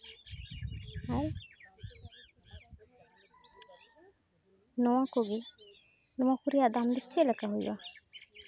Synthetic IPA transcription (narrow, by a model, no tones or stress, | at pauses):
aj | nɔwãkoɡe | nɔwãkuɾijad̪amd̪it͡ʃːelakaɦujwa̰